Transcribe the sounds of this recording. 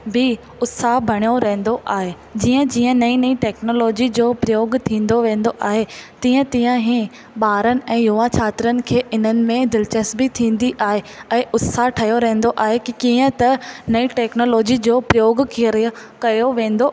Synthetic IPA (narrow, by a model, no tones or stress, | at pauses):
bʱi | ʊt̪sabʱɐɽ̃joɾɐɦɪ̃n̆d̪oʔaːɦe | d͡ʑiːə̃d͡ʑiːə̃nɐĩnɐĩʈɛːknoːloːd͡ʑid͡ʑoːpɾɪjoːɡt̪ʰĩːnd̪oʋẽːn̆d̪oʔaːɦet̪ĩːə̃t̪ĩːə̃ɦĩ | ɓaːɾənɪ̆ʔɛ̃ːjʊʋat͡ɕʰaːt̪ɪɾənɪ̆kʰeːʔɪn̤ənɪ̆mẽd̪ɪlt͡ɕəsbit̪ʰĩːn̆d̪iʔaːɦeɛ̃ːʔʊt̪saʈʰɐjoɾɐɦẽːn̆d̪oʔaːɦekikiːə̃t̪ɐnɐiʈɛːknoːloːd͡ʑid͡ʑoːpɾijoːɡkʰiəɾ | kɐjoʋẽːnd̪o